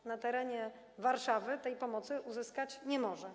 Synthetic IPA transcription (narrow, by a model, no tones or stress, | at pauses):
nat̪ɛɾɛɲɛ | vaɾʂavɘt̪ɛjpɔmɔt̪sɘʔuzɘskat͡ɕɲɛmɔʐɛ